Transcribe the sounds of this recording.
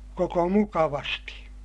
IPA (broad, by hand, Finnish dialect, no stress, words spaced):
koko mukɑʋɑsti